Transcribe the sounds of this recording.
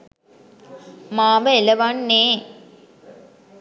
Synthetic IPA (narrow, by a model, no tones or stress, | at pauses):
maːʋəelɐʋanːeː